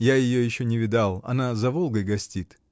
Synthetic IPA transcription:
jajɪjojɪɕːonʲɪvʲɪd̪alˠɐ̰nazɐvolˠɡəjɡɐsʲtʲit̪

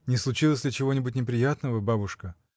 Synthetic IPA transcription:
nʲɪslˠʊt͡ɕilˠəsʲlʲɪt͡ɕɪvo̞nʲɪbʊtʲnʲɪpɾʲɪjat̪nəvəbabʊʂkə

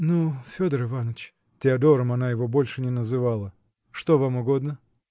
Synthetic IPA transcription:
nufʲod̪əɾɨvanət͡ɕ | tʲɪɐd̪o̞ɾəmɐnajɪvo̞bo̞lʲʂɨnʲɪnəzɨvalˠə | ʂt̪o̞vamʊɡo̞d̪nə

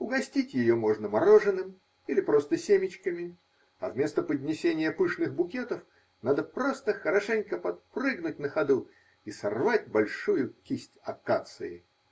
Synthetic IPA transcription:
ʊɡɐsʲtʲitʲjɪjomo̞ʐnəmɐɾo̞ʐɨnɨm | ilʲɪpɾo̞st̪əsʲemʲɪt͡ɕkəmʲɪ | ɐvmʲest̪əpədʲnʲɪsʲenʲɪjəpɨʂnɨxbʊkʲe̞t̪əf | nad̪əpɾost̪əxəɾɐʂɛnʲkəpɐt̪̚prɨɡnʊtʲnəxɐd̪u | isɐrvat̚ʲbɐlʲʂujʊkʲisʲtʲɐkat̪sɨɪ̰

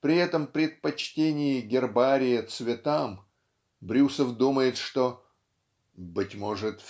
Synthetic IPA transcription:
pɾʲɪɛt̪əmpɾʲɪt̪̚pɐt͡ɕtʲenʲɪjɪɡʲɪrbaɾʲɪjɪt̪svʲɪt̪am | bɾʲusəfd̪uməjɪt̪ʂt̪o | bɨtʲmo̞ʐɨt̪

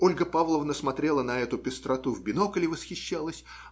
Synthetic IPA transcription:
o̞lʲɡəpavlˠəvnəsmɐt̪ɾʲe̞lˠənɐɛt̪ʊpʲɪst̪ɾɐt̪uvbʲɪno̞kəlʲɪvəsxʲɪɕːalˠəsʲ

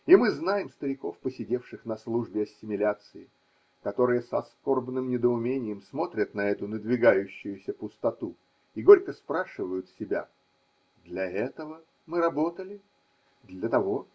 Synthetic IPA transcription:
imɨznajɪmst̪əɾʲɪko̞fpəsʲɪdʲe̞fʂɨxnɐslˠuʐbʲɪɐsʲːɪmʲɪlʲat̪sɨɪ | kɐt̪o̞ɾɨjəsɐsko̞rbnɨmnʲɪd̪əʊmʲenʲɪjəmsmo̞t̪ɾʲət̪nɐɛt̪ʊnəd̪vʲɪɡajʉɕːʊjʊsʲəpʊst̪ɐt̪u | iɡo̞ɾʲkəspɾaʂɨvəjʊt̪sʲɪbʲa̰ | d̪lʲɐɛt̪əvə | mɨɾɐbo̞t̪əlʲɪ | d̪lʲət̪ɐvo̞

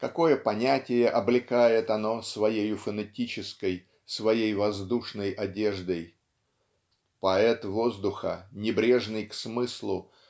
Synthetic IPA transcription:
kɐko̞jəpɐnʲætʲɪjəʔɐblʲɪkajɪt̪ɐno̞svɐjejʊfənɐtʲit͡ɕɪskəj | svɐjejvɐzd̪uʂnəjʔɐdʲe̞ʐd̪əj | pɐɛt̪vo̞zd̪ʊxə̰nʲɪbɾʲe̞ʐnɨjksmɨslˠʊ

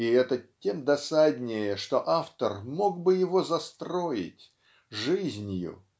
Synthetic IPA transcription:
ɪɛt̪ətʲe̞md̪ɐsadʲnʲejəʂt̪oʔaft̪ərmo̞ɡ̚bɨjɪvo̞zɐst̪ɾo̞jɪ̰tʲ | ʐɨzʲnʲjʊ̰

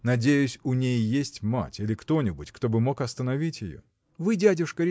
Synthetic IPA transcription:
nɐdʲejʊsʲʊnʲejːesʲtʲma̰tʲilʲɪkt̪o̞nʲɪbʊtʲkt̪o̞bɨmo̞kɐst̪ənɐvʲitʲjɪ̰jo̰ | vɨdʲædʲʊʂkəɾʲɪ

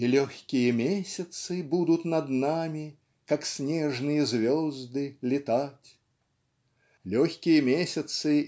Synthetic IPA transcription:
ilʲɔxʲkʲijɛmʲesʲɐt̪sɨbud̪ut̪nɐd̪namʲi | kaksʲnʲɛʐnɨjɐzʲvʲɔzd̪ɨlʲit̪at͡sʲ | lʲɔxʲkʲijɛmʲesʲɐt̪sɨ

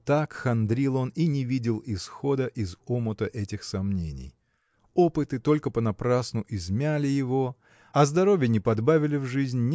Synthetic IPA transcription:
t̪akxɐnd̪ɾʲilˠo̞ninʲɪvʲidʲɪlˠɪsxo̞d̪əʔɪzomət̪əʔɛtʲɪxsɐmnʲḛnʲɪ̰j | o̞pɨt̪ɨt̪o̞lʲkəpənɐpɾasnʊʔɪzmʲælʲɪjɪvo̞ | ɐzd̪ɐɾo̞vʲjənʲɪpɐd̪bavʲɪlʲɪvʐɨzʲnʲnʲ

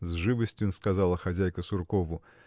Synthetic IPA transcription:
zʐɨvəsʲtʲjunskɐzalˠəxɐzʲæjkəsʊrkovʊ

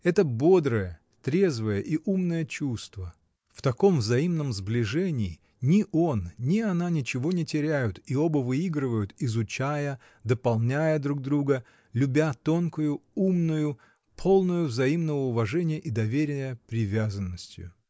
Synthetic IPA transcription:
ɛt̪əbo̞d̪ɾəjə | t̪ɾʲe̞zvəjəʔiʔumnəjət͡ɕust̪və | ft̪ɐko̞mvzɐimnəmzblʲɪʐɛnʲɪː | nʲɪʔo̞nnʲɪɐnanʲɪt͡ɕɪvo̞nʲɪtʲɪɾʲæjʊt̪iobəvɨiɡɾɨvəjʊt̪ɪzʊt͡ɕæjə | d̪əpɐlˠnʲæjəd̪ɾuɡ̚d̪ɾuɡə | lʲʊbʲat̪o̞nkʊjʊumnʊjʊ | pʰo̞lˠnʊjʊvzɐimnəvəʊvɐʐɛnʲɪjəʔid̪ɐvʲeɾʲɪjəpɾʲɪvʲazənːəsʲtʲjʊ̰

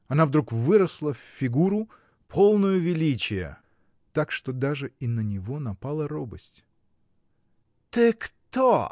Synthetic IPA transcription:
ɐnavd̪ɾukvɨɾəslˠəfːʲɪɡuɾʊ | pʰo̞lˠnʊjʊvʲɪlʲit͡ɕɪjə̰ | t̪akʂt̪od̪aʐɨinənʲɪvo̞nɐpalˠəɾobəsʲtʲ | t̪ɨkt̪o

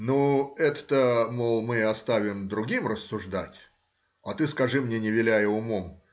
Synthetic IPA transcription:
nuɛt̪ə̥t̪əmolˠmɨɐst̪avʲɪmd̪ɾʊɡʲimrəsːʊʐd̪a̰tʲ | ɐt̪ɨskɐʐɨmnʲenʲɪvʲɪlʲæjəʊmom

